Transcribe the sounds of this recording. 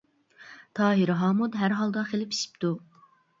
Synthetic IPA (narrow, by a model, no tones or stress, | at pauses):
t̪ʰɑːɦiɾɦɑːmud̪ɦæɾɦɑlˠd̪ɑχelɪpʰi̥ʃi̥p̚t̪ʰu